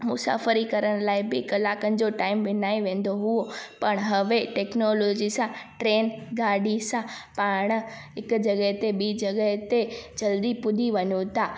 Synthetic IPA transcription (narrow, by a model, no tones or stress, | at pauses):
mʊsa̰ːfəɾikɐɾəɽ̃laːɪbɪkɐlaːkənɪd͡ʑoʈaːɪmʋɪnaːeʋẽːn̆d̪oɦuopɐɽ̃ɦɐʋeʈɛːknoːloːd͡ʑisãʈɾeːnɡaːɖisãpaːɽ̃ʊ̆ɦɪkd͡ʑɐɠəɦt̪eɓiːd͡ʑɐɡəɦt̪ed͡ʑɐld̪ipʊd̪ʱiʋɐɲũt̪ʰaː